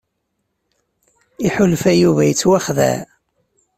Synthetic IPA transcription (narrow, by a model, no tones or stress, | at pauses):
iħʊlfæjuvæjət͡sːwaχðæ̰